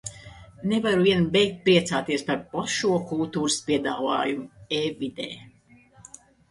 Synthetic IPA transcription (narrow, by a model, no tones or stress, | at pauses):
nevaɾuviɛnbɛjk̚t̪̚ʲpɾiɛt̪saːt̪iɛspaɾpɔʃuɔkulˠt̪uːɾɨspiɛd̪aːva̰ːjumueːvid̪ɛ̰ː